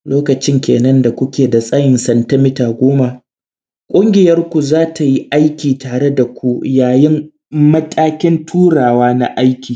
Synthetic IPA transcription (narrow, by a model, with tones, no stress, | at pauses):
loː˦kɐ˨t͡ʃɪ˦ŋkʲeː˨nɐ˦nda˨kʷʊ˦kʲeː˨da˨sʼaː˦jɪ˨nsɐ˨ntɐ˦mɪ˦taː˨ɡʷoː˦ma˨ | kʷʼʊ˦ŋɡʲɪ˨jɐ˦rkʷu˨zaː˦tʰa˨ji˦ʔa˦jkʲiː˨taː˨ɽe˦da˨kʷu˦jaː˨jɪ˦m | mɐ˦tʼaː˦kʲɪ˦ntʰuː˦ɽaː˨waː˦na̰˦ʔa˦jkʲiː˨